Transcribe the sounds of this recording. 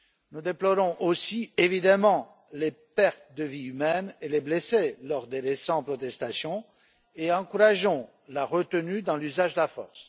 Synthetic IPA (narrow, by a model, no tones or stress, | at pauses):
nud̪eplɔʁɔ̃ʔosievid̪amɑ̃ | lepɛʁt̪d̪əviymɛnelebleselɔʁd̪eʁesɑ̃pχɔt̪ɛst̪asjɔ̃ | eɑ̃kuʁaʒɔ̃ | laʁət̪ənyd̪ɑ̃lyzaʒd̪əlafɔʁs